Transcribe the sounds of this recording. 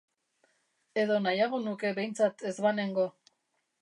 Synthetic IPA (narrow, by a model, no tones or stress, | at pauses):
e̞ðo̞najaɣ̞o̞nuke̞βe̞jnt͡sat̪e̞zβane̞ŋɡo̞